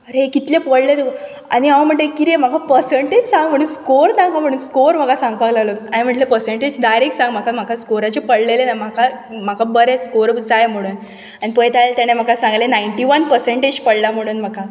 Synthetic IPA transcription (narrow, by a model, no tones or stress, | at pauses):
ɾekit̪lepəɽlet̪ek | a̰niaʋam̤əɳʈlekiɾem̤akapəɾseɳʈed͡ʑsãŋɡm̤əɽ̃uːnskoɾnaŋɡam̤əɽuːnskoɾm̤akasãŋɡ̚paɡlalot̪aɦẽm̤əɳʈlepəɾsẽɳʈed͡ʑd̪ajɾeksãŋɡm̤akam̤akaskoɾat͡ɕepəɽlelenam̤akam̤akabəɾeskoɾd͡zajm̤əɽ̃uːn | aɽ̃ipəjt̪ajlt̪añem̤akasãŋɡlenajɳʈiʋənpəɾseɳʈed͡ʑpəɽlam̤əɽ̃uːnm̤aka